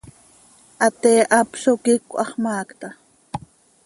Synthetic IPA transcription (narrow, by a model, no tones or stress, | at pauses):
ʔat̪eːʔapʃokɪkʷʔɑχmaːkt̪a